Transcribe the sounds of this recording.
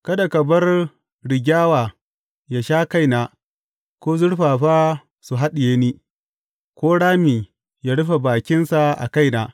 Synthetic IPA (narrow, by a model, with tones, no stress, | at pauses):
kɐ˦da˨kɐ˨bɐ˦r | ɽɪ˨ɡʲaː˦waː˨ | ja˦ʃaː˦ka˦jnaː˨ | kʷoː˦zʊ˦ɽɸaː˨ɸaː˦ | su˨ɦa˦ɗɪ˨jeː˦niː˦ | kʷoː˦ɽaː˦miː˨ | jaː˦ɽʊ˦ɸa˨baː˨kʲɪ˦nsa˨ʔa̰˨ka˦jnaː˨